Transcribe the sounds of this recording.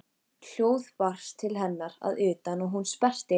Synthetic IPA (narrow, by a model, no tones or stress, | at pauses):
l̥joːwðpar̥st̪ʰɪlɦɛnːaɾa̰ðʏːt̪anɔɣɦunspɛr̥t̪ɪ